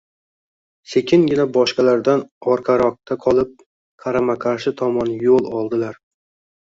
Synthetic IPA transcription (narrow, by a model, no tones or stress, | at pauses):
se̞kʲʰɪnɡʲɪnabɒʃqɑlaɾd̪anɒɾqʰɑɾɒq̚t̪ʰaqʰɒlˠɪp̚ | qʰaɾamaqʰaɾʃɪt̪ʰɒmɒnjolˠɒlˠd̪ɪlaɾ